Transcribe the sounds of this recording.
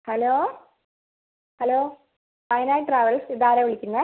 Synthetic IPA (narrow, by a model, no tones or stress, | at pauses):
hɐloː | hɐloː | ɐjinaːjʈraːʋɐɭsid̪aːɾɐʋiɭikʲːunːɐ